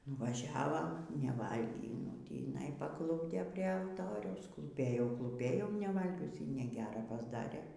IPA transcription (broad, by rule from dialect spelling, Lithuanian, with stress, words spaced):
nʊʋɐˈʒʲæːʋɐm nʲɛˈʋɐlʲɡʲiː nʊ tʲiːˈnɐɪ pɐˈklˠʊbʲdʲeː pʲrʲiɛ ɐlˠˈtoːrʲɛʊs klˠuːˈpʲeːjɛʊ klˠuːˈpʲeːjɛʊ nʲɛˈʋɐlʲɡʲʊs iː nʲɛˈɡʲæːrɐ pɐzˈdɑːrʲeː